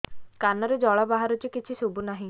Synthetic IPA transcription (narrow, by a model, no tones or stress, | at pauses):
kanɔɾed͡ʒɔɭɔbaɦaɾut͡ʃikit͡ʃʰisubunaɦĩ